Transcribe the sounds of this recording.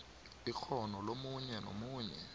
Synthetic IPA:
ik͡xʰɔnɔlomuɲɛno̰muːɲɛ̰

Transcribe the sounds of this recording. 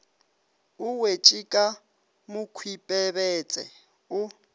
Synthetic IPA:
ʊwet͡ʃʼikʼa | mʊkʰwipʼɛβɛt͡sʼɛ̰ | ʊ

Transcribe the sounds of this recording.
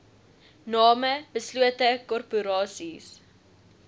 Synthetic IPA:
nɑːməbəsluətəkɔrpuɾɑːsis

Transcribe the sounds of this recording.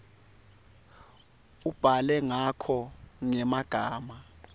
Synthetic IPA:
ub̥ʱalɛŋakʰɔŋɛmaɡ̥ʱaːma

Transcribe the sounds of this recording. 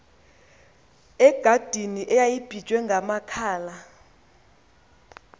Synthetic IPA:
ɛɡ̥ʱad̥ʱiniʔɛjajib̥ʱid̥ʒ̥ʱwɛŋɡʱamakʰaːla

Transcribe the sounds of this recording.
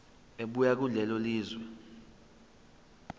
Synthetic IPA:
eɓujak̬ulɛlɔliːzwɛ

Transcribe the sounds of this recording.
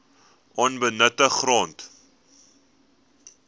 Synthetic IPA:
ʔɑnbənətəχrɑːnt

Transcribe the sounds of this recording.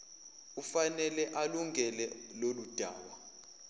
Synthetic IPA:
ufanɛlɛʔaluŋɛlɛlolud̥ʱa̰ːɓa

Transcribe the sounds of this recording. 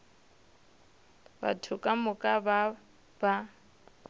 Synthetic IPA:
ba̰tʰʊkʼamʊkʼaba | ba

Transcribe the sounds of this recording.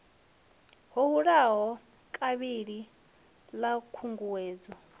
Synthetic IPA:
ɦɔɦuɺaɦɔ | kʼaβiɺi | lakʰuŋɡuweːd͡zɔ

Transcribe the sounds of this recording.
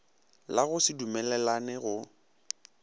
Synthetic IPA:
laɣʊsɪdumɛlɛlanɛɣʊ

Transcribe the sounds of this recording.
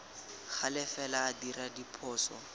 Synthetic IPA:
χalɪfɛlaːdiradipʰɔːsɔ̰

